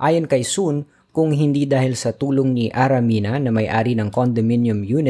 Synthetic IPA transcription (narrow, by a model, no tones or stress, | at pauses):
ʔaːjonkɐjsun | kʊŋɦɪnd̪iːd̪aːhɪlsɐt̪uːloŋniʔaɾɐmiːnɐnɐmɐjʔaːɾinɐŋkond̪ominjʊmjuːnɪ